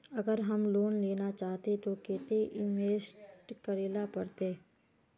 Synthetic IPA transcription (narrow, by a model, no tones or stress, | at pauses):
əɡəɾɦəmloːnleːnat͡ʃaːt̪et̪okeːt̪eʔɪmeːsʈkəɾeːlapəɾt̪eː